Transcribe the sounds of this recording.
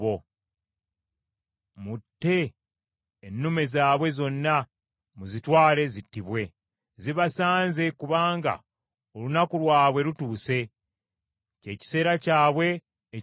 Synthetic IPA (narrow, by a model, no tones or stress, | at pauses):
o̞ | mutːe̞ː | nːume̞zaːβwe̞zo̞nːa | muzitwaːle̞zitːiβwe̞ | ziβasaːnze̞kuβaːŋɡa̰ | olunakulwaːβwe̞lutuːse̞ | ce̞ːci̥se̞ːɾacaːβwe̞ː